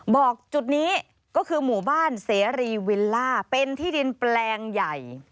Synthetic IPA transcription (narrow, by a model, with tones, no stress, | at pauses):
bɔː˨˩k̚t͡ɕu˨˩t̪̚niː˦˥ | kɔː˥˩kʰɯː˧muː˨˩baː˥˩nseː˩˦ɾiː˧wi˧lːaː˥˩pe˧nt̪ʰiː˥˩di˧nplɛː˧ŋja˨˩j